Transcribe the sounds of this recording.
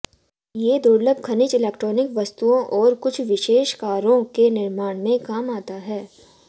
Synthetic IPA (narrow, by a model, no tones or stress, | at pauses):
jeːd̪oːɾləbkʰɐnɪt͡ʃɪlɛːkʈɾɔːnɪkʋɐst̪uõʔɔːɾkʊt͡ʃʰʋɪʃeːʃkaːɾõkenɪɾmaːɽ̃mẽkaːmaːt̪aɦɛː